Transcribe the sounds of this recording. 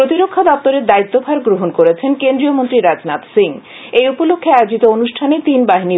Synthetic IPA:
ɾot̪iɾokʰːad̪ɔp̚t̪oɾeɾd̪ait̪ːobʱaɾɡɾoɦonkoɾet͡ɕʰenkend̪ɾiomont̪ɾiɾad͡ʑnat̪siŋ | ejupolokʰːeajod͡ʑit̪oonuʃʈʰanet̪inbaɦini

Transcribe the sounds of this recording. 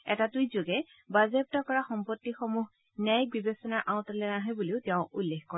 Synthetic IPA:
ɛtatujzoɡɛ | bazep̚tɔkɔɹaxɔmpɔtːixɔmuɦ | nɛjk̚bibesɔnaɹʔãʊ̃tɔlɛnaɦɔjbuliʊtɛʊ̃ʔulːexkɔ

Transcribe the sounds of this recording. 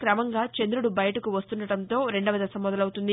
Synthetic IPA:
kɾɐmɐŋɡaːt͡ʃend̪ɾuɽubɐjɐʈɐkuʋɐst̪uɳɖɐɽɐnt̪o̞ːɾe̞ɳɖɐʋɐd̪ɐsɐmːɔd̪ɐlɐwut̪und̪i

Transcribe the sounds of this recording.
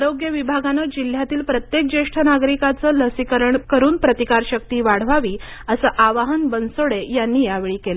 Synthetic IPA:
aɾoɡjəʋibʱaɡanəd͡ʑil̤ːjat̪iːlpɾət̪jek̚d͡ʑeʂʈʰənaɡɾikat͡səːləsikəɾəɳkəɾuːnpɾət̪ikaɾɕək̚t̪iːʋaɽ̤ʋaʋiːəsəːʔaʋaɦənbənsoɽejanːiːjaʋeɭiːkelə

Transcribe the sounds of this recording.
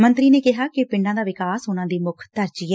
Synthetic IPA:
mənt̪ɾiːneːkɪɦaːkɪpɪ̃ɳɖãːd̪aːʋɪkaːsʊnãːd̪iːmʊkʰt̪əɾt͡ʃiːɛː

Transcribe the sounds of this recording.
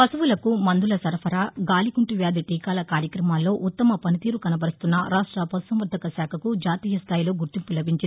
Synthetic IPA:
pɐsɐʋulɐkumɐnd̪ulɐsɐɾpʰɐɾaːɡaːlikuɳʈuʋjaːd̪iʈ̪iːkaːlɐkaːɾjɐkɾɐmaːlːo̞ːʔut̪ːɐmɐpɐnit̪iːɾukɐnɐbɐɾist̪unːɐɾaːʂʈɾɐpɐt̪usɐmʋɐɾd̪ʱɐkɐsaːkʰɐkud͡ʒaːt̪iːjɐst̪ʰaːjilo̞ːɡuɾt̪impulɐbʱiɲt͡ʃi

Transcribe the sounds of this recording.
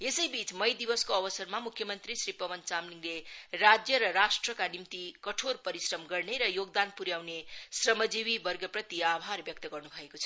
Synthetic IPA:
esʌjbit͡smʌjd̪ibʌskoʌbʌsʌrmamukʰjʌmʌnt̪risripʌbʌnt͡samniŋlerad͡zjʌɾʌrasʈrʌkanimt̪ikʌʈʰorpʌɾisrʌmɡʌrneɾʌjoɡd̪anpuɾjawnesrʌmʌd͡ziwibʌrɡʌprʌt̪iabʱarbjʌk̚t̪ʌɡʌrnubʱʌekot͡sʰʌ

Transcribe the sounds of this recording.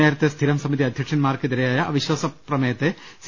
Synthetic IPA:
aːɾt̪est̪ʰiɾɐmsɐmit̪iɐd̪ʱjɐkʂɐnmaːɾkid̪iɾɐjaːjɐʔɐʋiʃɐsɐpɾɐmeːt̪eːs

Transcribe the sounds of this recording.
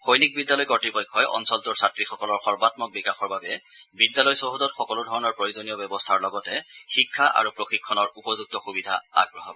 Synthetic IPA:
xojnik̚bidːjalɔjkɔtipɔjkʰːɔjʔɔ̰nsɔltɔɹsatɹixɔkɔlɔɹxɔɹbatmɔk̚bikaxɔɹbabɛbidjalɔjsoɦudɔtxɔkɔlʊdʱɔɹɔnɔɹpɹojuzonijɔbɛbɔstʰaɹlɔɡɔtɛxikʰːaʔa̰ɹupɹoxikʰːɔnɔɹupɔzuk̚tɔxubidʱa̰a̰ɡɹɔɦɔb

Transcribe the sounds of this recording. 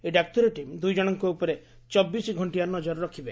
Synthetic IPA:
eɖak̚ʈɔɾɔʈimd̪ujd͡ʒɔɽ̃ɔŋkoupɔɾe | t͡ʃɔbːisiɡʱɔɳʈiaɾnɔd͡ʒɔɾɾɔkʰibe

